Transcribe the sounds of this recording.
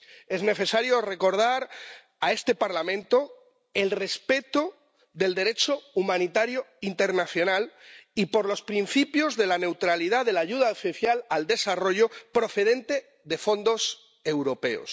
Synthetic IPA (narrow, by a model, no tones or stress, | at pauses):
ezne̞θe̞saɾjore̞ko̞ɾð̞aɾ | ae̞st̪e̞paɾlamẽ̞nt̪o | e̞lre̞spe̞t̪o | ðe̞ld̪e̞ɾe̞t͡ʃoumãnit̪aɾjoint̪e̞ɾnaθjo̞nalipo̞ɾlo̞spɾin̟θipjo̞zðe̞lane̞wt̪ɾalið̞aðe̞laʝuð̞aofiθjalald̪e̞saro̞ʝo̞pɾo̞θe̞ðe̞nt̪e̞ | ðe̞fo̞nd̪o̞s | e̞wɾo̞pe̞o̰s